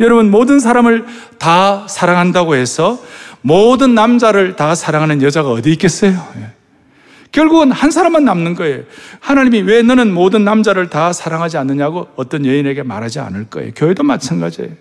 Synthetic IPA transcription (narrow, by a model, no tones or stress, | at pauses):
jʌɾʌbunmodɯns̬ʰaɾamɯɭ | tasʰaɾaŋɦandaɡohe̞sʰʌmodɯnːamd͡ʑaɾɯɭtasʰaɾaŋɦanɯnjʌd͡ʑaɡaʌdiik͈e̞s͈ʌjoje | kjʌɭɡuɡɯnhansʰaɾamanːamnɯnɡʌejohanaɲimiwe̞nʌnɯnmodɯnːamd͡ʑaɾɯɭtasʰaɾaŋɦad͡ʑianːɯɲaɡoʌt͈ʌnjeine̞ɡe̞maɾɦad͡ʑia̰nɯɭk͈ʌḛjokjʌedomat͡ɕʰanɡad͡ʑiḛjo